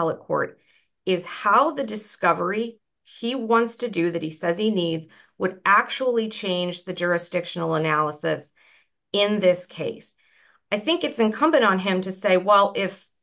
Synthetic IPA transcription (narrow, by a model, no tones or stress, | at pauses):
ɛlˠət̚kʰɔ̰ɹɾ | ɪz̥haʊðɨdɨskʌvə˞i | iwɑ̃ntstʰɨdɨðɨt̚hisɛz̥inidz | wəɾʔæk̚t͡ʃul̩ˠit͡ʃʰẽɪ̃nd͡ʒðɨd͡ʒʊɹɨsd̥ɪkʃn̩l̩ˠənælˠəsɨs | ɪ̃nðɪskʰeɪs | aɪθɪ̃ŋkɨtsɨ̃nkʰʌ̃mbɨ̃nn̩ɪ̃mtʰɨseɪwɛlˠʔɪf